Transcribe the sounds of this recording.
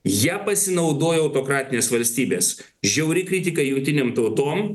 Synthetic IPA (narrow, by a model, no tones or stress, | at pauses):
jiːpɐsʲɪnɐʊd̪oːjɛɐʊt̪oːkɾɑːt̪ʲɪnʲeːsʋɐlʲsʲt̪ʲiːbʲeːs | ʒʲɛʊɾʲɪkɾʲɪt̪ʲɪkɐjʊŋk̚t̪ʲɪnʲeːmt̪ɐʊt̪oːm